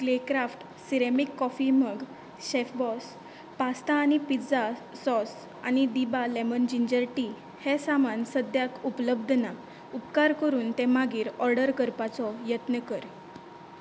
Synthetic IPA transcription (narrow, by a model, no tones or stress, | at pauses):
klekɾafʈ | siɾemikːɔfiməɡ | ɕefbɔs | past̪aːñipid͡zasɔs | añid̪ibalemənd͡ʑiɲd͡ʑəɾʈi | hɛsamansəd̪jakupələb̚d̪ʱna | upkaɾkəɾuːnt̪ɛ̃maɡiːɾɔɾɖəɾkəɾpat͡sɔjət̪nəkəɾ